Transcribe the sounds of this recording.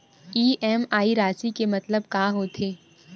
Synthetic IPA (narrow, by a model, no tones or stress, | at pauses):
iːʔɛːmaːiɾaːsikemɐt̪ləb̚kaːɦoːt̪ʰeː